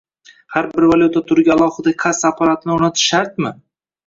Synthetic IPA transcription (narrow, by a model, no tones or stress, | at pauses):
haɾbɪɾvaljut̪ʰat̪ʰʊɾɡʲaalˠɒhɨd̪akʲʰasapʰaɾat̪ʰɪnɪonat̪ʰɪ̥ʃaɾt̪mɪ